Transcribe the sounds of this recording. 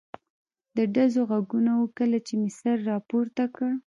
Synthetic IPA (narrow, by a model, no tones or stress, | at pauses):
d̪əɖazoɣaɡunawukəlat͡ʃemɪsaɾːɑpoɾt̪akəɽ